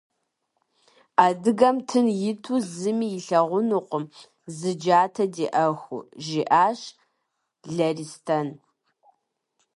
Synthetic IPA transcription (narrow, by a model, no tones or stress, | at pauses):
aːdɨɣɐmtʰɨnjɪtʰuzɨmiːjɪɬɐʁʷʊnuqʷʊm | zɨd͡ʒaːtʰɐdeːʔɐxʷʊ̰ʒiʔaːɕ | ɮɐristʰɐn